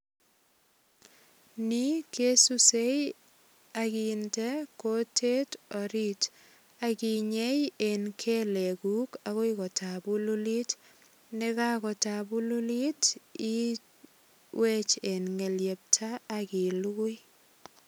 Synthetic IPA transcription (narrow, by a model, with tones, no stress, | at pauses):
ni˦ke˦su˦se˦j | aki˨nte˦ko˦tʰe˦tɔ˨ɾit | a˨ki˨ɲe˦je˨nkʰe˦le˨ku˦kaɣo˦ikɔ˨tʰabu˦lu˦li˦t | ne˦ka˦kɔ˨ta˨bu˦lu˦li˦ti˦ | we˦t͡ʃe˨nŋe˨lje˨p̚tʰaː˦ki˨lu˦ku˦j